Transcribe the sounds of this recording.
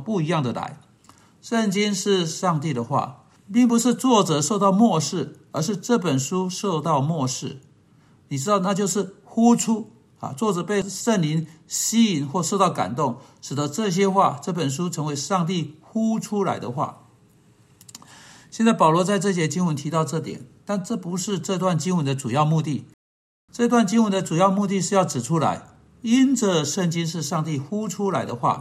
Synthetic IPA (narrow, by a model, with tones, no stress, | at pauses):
pu˥˩i˧˥jɑ˥˩ŋd̪ə˩la̰˧˥ɪ | ʂə˥˩nt͡ɕi˥ŋʂɻ̩˥˧ʂɑ˥˧ŋt̪i˥˩d̪ə˩xwa̰˥˩ | pi˥˩ŋpu˧˦ʂɻ̩˥˧t͡swɔ˥˩ʈ͡ʂɤ˨˩ʂo˥˧ʊt̪ɑ˥˧ʊmwɔ˥˧ʂɻ̩˥˩ | ə˞˧˥ʂ̩˥˧ʈ͡ʂɤ˥˩pə˨˩nʂu˥ʂo˥˧ʊt̪ɑ˥˩ʊmwɔ˥˧ʂɻ̩˥˩ | ni˨˩ʈ͡ʂɻ̩˥t̪ɑ˥˧ʊna˥˧t͡ɕjo˥˧ʊʂɻ̩˥˩xu˥ʈ͡ʂʰu˥ | a̰˨t͡swɔ˥˩ʈ͡ʂɤ˨˩pe˥˧ɪʂə˥˩nli˧˥ŋɕi˥i˨˩nxwɔ˥˧ʂo˥˧ʊt̪ɑ˥˩ʊka̰˨˩nt̪ʊ˥˩ŋʂɻ̩˨˩d̪ə˧˦ʈ͡ʂɤ˥˩ɕ̬jɛ˥xwa˥˩ʈ͡ʂɤ˥˩pə˨˩nʂ̬u˥ʈ͡ʂʰɤ˧˥ŋwe˧˥ɪʂɑ˥˧ŋt̪̬i˥˩xu˥ʈ͡ʂʰu˥la̰˧˥ɪd̪ə̰˧xwa̰˥˩ | ɕjɛ˥˧nt͡sa˥˩pɑ˨˩ʊlwɔ˧˥t͡sa˥˧ɪʈ͡ʂɤ˥˧˩ɕ̬jɛ˥t͡ɕi˥ŋwə˧˥nt̪ʰi˧˥t̪ɑ˥˧ʊʈ͡ʂɤ˥˩t̪jɛ̰˨˩˦nt̪a˥˧nʈ͡ʂɤ˥˩pu˧˥ʂɻ̩˥˧ʈ͡ʂɤ˥˧˥t̪wa˥˩nt͡ɕi˥ŋwə˧˦nd̪ə˧ʈ͡ʂu˨˩jɑ˥˧ʊmu˥˧t̪i˥˩ | ʈ͡ʂɤ˥˧i˧t̪wa˥˩nt͡ɕi˥ŋwə˧˥nd̪ə˧ʈ͡ʂu˨˩jɑ˥˧ʊmu˥˧t̪̬i˥˧ʂ̬ɻ̩˥˧jɑ˥˩ʊʈ͡ʂɻ̩˨˩ʈ͡ʂʰu˥la̰˧˥ɪ | i˥nʈ͡ʂə˥˩ʂə˥˩ŋt͡ɕi˥nʂɻ̩˥˧ʂɑ˥˧ŋt̪i˥˩xu˥ʈ͡ʂʰu˥la˧˥ɪd̪ə˧xwa̰˥˩